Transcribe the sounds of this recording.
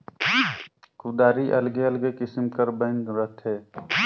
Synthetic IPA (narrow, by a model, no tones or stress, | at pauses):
kud̪aːɾiʔɐlɡeɐlɡekɪsmkɐɾbə̃nɡɾət̪ʰɦɛː